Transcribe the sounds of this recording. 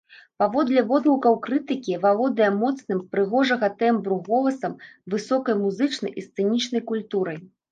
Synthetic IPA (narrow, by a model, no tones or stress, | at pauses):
pavɔd̪lʲɐvɔd̪lˠukɐwkɾɨt̪ɨkʲivavɔd̪ɐjɛmɔt̪snɨmpɾɨɣɔʐɐɣɐt̪ɛmbɾuɣɔlˠɐsɐmvɨsɔkɐjmuzɨt͡ʂnɐ̰jʔist̪sɛnʲit͡ʂnɐjkulʲt̪uɾɐj